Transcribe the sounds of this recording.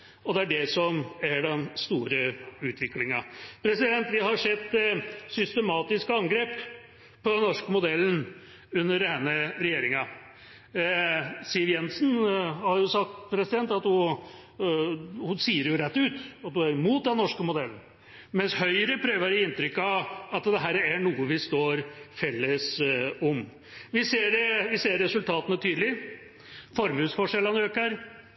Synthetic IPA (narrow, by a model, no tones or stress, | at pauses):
ɔd̪ɛæɖɛsɔmæɖɛnst̪uːɾəʉːt̪ʰʋɪklɪŋɑpʰɾɛsɪd̪ɛnt̪ʋɪɦɑʂɛt̪ːsʏst̪əmɑːt̪ɪskəɑŋɡɾeːp | pʰɔd̪ɛnːɔʂkəmʊd̪ɛlːn̩ | ʉnːəɾɛnːəɾɛjeːɾɪŋɑ | sɪʋjɛnsnhɑɾjʊsɑk̚t̪pʰɾɛsɪd̪ɛnt̪ɑt̪hʊ | hʊnsiːəɾjʊɾɛt̪ːʉːt̪ɑt̪̚d̪ʉæɾmuːt̪̚d̪ɛnːɔʂkəmʊd̪ɛln̩ | mɛnshœʏɾəpʰɾøːʋəɾjɪɪnt̪ɾʏkːɑʋɑt̪d̪ɛɦæːɾæɳuːəʋɪst̪oːɾfɛlːəsɔm | ʋɪseːɖʋɪseːɾːɛsʉlt̪ʰɑːt̪ənət̪ʰyːd̪lɪ | fɔɾmʉːsfɔʂɛlɑnøːkəɾ